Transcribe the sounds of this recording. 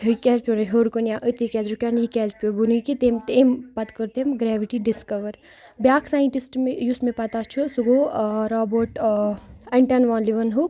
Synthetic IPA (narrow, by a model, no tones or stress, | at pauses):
ɦikʲɛːzpionɐɦoːɾkonʲjãːʔət̪ikɛːzɾukʲaːnjikʲɛːzpʲobunikit̪eːmt̪eːmpɐt̪kəɾt̪emɡɾɛːʋiʈiɖiskɐʋəɾ | bʲjaːkʰsaːiɳʈisʈmejusmẽpɐt̪at͡ʃʰusuɡoɾaːboʈ | ɐɳʈɐnʋaːnliʋɐnɦuk